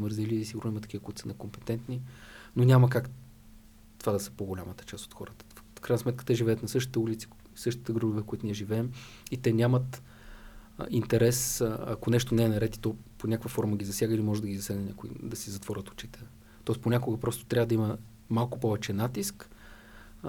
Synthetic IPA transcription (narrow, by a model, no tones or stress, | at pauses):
məɾzilisiɡʊɾnoimɐət̪ɐ̥kʲivəkoit̪ʊsənɛkompɛ̥t̪ɛnt̪ninonʲaməkak | t̪ovad̪ɐsə̥poɡolʲamət̪ə̥t͡ʃast̪o̥t̪xɔɾət̪ə̥ffkɾajnsmɛt̪kə̥t̪ɛʒivɛət̪nɐsɤʃt̪it̪ɛulʲit̪si̥ | sɤʃt̪i̥t̪ɛɡɾubuvɛkoit̪oniɛʒivɛːmit̪ɛnʲamət̪ | int̪ɛɾɛsɐ̰konɛʃt̪onɛːnɐɾɛt̪it̪ɔ | ponʲakəkvəfɔɾməɡʲizɐsjaɡəilimɔʒɛd̪əɡʲizɐsʲaɡnnʲakoḭd̪ɐsizɐt̪vɔɾʲət̪o̥t͡ʃi̥t̪ɛ | t̪ɔɛst̪ponʲakoɡəpɾɔst̪o̥t̪ɾʲavəd̪ɐimə | malˠkopɔvɛt͡ʃɛnat̪isk